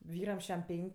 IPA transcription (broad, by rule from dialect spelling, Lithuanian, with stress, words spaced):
ˈʋʲiːrɐm ˈʃʲæm ˈpʲɛŋʲkʲ